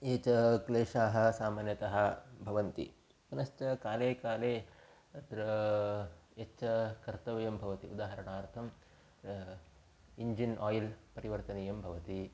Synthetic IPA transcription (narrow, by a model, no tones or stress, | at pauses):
eːt͡ʃɐkleːʂaːɦɐ̆saːmaːnjɐt̪ɐɦɐ̆bʱɐʋɐnt̪ḭ | punɐʃt͡ʃɐkaːleːkaːleː | ɐt̪ɾɐ | et͡ʃɐkɐɾt̪ɐʋɐjɐmbʱɐʋɐt̪iud̪aːɦɐɾɐɳaːɾt̪ʰɐm | iɲd͡ʒinʔaːjilpɐɾiʋɐɾt̪ɐnijɐmbʱɐʋɐt̪i